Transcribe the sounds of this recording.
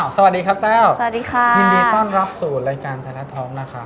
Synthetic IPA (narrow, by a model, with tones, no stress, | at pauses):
wsa˧wa˨˩diː˧kʰa˦˥p̚t̪ɛː˥˩wa˨˩diː˧kʰa˧t͡ɕi˧ŋmiː˧t̪ɔː˥˩nɾa˦˥p̚suː˨˩ɾaː˧jkaː˧nt̪ʰa˧lɛ˦˥t̪ʰɔː˦˥ŋna˦˥kʰa˦˥